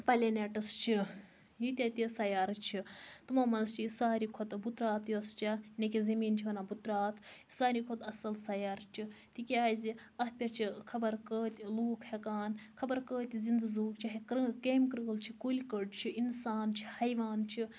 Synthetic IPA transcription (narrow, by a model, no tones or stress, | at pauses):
pɐlʲeneʈɐst͡ʃʰi | jit̪ʲat̪isɐjaːɾt͡ʃʰit̪umɐːmɐnst͡ʃʰisaːɾikʰot̪but̪ɾaːt̪juɐst͡ʃanʲekʲizɐmiːnt͡ʃʰiʋɐnabut̪ɾaːt̪saːɾikʰot̪ɐsɐlsɐjaːɾt͡ʃʰit̪ikʲaːziɐpʲɐɾt͡ʃʰikʰɐbɐɾkəːt̪ʲluːkʰhekaːnkʰɐbɐɾkəːt̪ʲizind̪ɨzuːkt͡ʃʰiɦikɾɨkeːmkɾɨɡlt͡ʃʰikulʲkəɖt͡ʃʰiinsaːnt͡ʃʰihɐjʋaːnt͡ʃʰi